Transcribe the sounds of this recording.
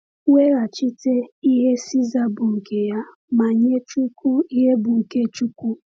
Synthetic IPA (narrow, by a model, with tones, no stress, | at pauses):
we˦ɾa˨t͡ʃi˦te˦i˦ɦe˦si˦za˦bʊ˨ŋ̩˨ke˨ja˦ | ma˨ɲe˦t͡ʃu˦ku˦i˦ɦe˦bʊ˨ŋ̩˨ke˦t͡ʃu˦kʷu˦